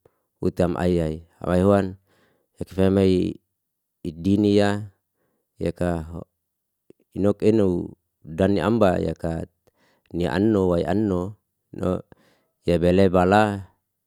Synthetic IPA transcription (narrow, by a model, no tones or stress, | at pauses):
ut̪amʔa̰iaia̰maiɦoan | jakifamai | dinija | jakaɦo | inɔkinou | daniʔa̰mbaja̰ka | niʔa̰nːowaiʔa̰nːo | nʔo̰ | jabelebala